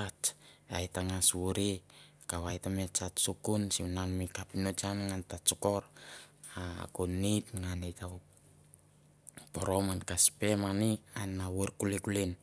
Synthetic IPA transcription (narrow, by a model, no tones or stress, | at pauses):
at͡ʃajtaŋaswuɾi | kawajtamet͡ʃat͡ʃsukunsimnanmikapinot͡ʃanŋantat͡ʃukoɾ | a̰kunitŋanita | poɾomankaspemanianawuɾkulikulin